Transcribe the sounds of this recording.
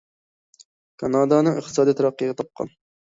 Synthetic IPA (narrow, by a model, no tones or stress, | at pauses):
kʰɑnɑːd̪ɑnɨŋəχt̪ʰɨ̥sɑːd̪ijt̪ʰɑɾɑqːəʁɛt̪ʰɑp̚qʰɑ̰n